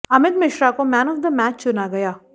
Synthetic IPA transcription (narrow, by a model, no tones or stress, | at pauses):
ɐmɪt̪mɪʃɾakomɛːnɔːfd̪əmɛːt͡ʃt͡ʃʊnaɡɐjaː